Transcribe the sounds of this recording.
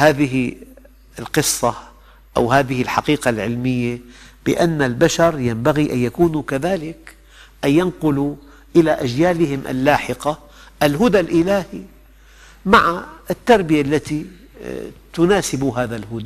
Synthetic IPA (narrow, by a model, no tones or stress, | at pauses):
haːðɪɦɪ | ɪlqɨsˤːɑ | ʔa̰wɦaːðɪhɪlħɑqiːqalʕɪlmɪjːab̥ɪ̰ʔanːalbaʃɑɾˤjambaɣiʔanjakuːnukaðaːlɪk | ʔanːanqʊlu | ʔɪlaʔad͡ʒjaːlɪhɪmʔa̰lːaːħɪqa | ʔɪlɦʊd̪alʔɪlaːhi | maʕaʔɪt̪ːɑɾˤbɪjalːat̪i | t̪ʊnaːsɪbuɦaːðalɦʊd̪a